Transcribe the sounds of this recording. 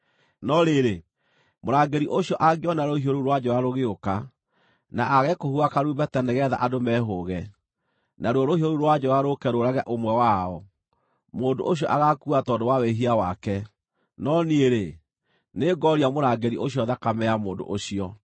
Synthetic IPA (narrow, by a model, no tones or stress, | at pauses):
nɔɾeɾe | moɾaːɡeɾiʔoɕjɔʔaɣiɔnaɾohioɾuɾwad͡ʑɔɾaɾoɣeoka | naʔaɣɛkohuakaɾuːbɛtɛnɛɣɛða̰ʔadomɛɦoɣɛ | naɾwɔɾohihoɾuɾwad͡ʑɔɾaɾokɛɾoɾaɣɛʔomwɛwaɔ | moːndo̰ʔoɕjɔʔaɣakuatɔdowaweɦiawakɛ | nɔnieɾe | neɡɔɾiamoɾaɡeɾiʔoɕiɔðakamɛamoːndo̰ʔoɕiɔ